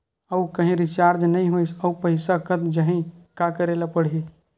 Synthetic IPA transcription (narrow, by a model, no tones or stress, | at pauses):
əukəɦĩɾit͡ʃaɾd͡ʒnəĩɦojsəupəɦɪsakət̪d͡ʒəɦĩkakəɾelapəɽ̤ɦi